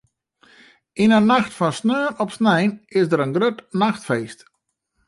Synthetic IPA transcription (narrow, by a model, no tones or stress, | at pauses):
inənaxtfɔnsnøːnɔpsnɛjnɪsdəɾənɡrøtnaxtfejst